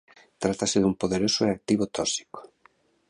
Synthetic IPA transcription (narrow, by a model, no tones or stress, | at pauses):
t̪ɾat̪asɪðumpoðeɾosʊeak̚t̪iβot̪ɔsi̥ko̥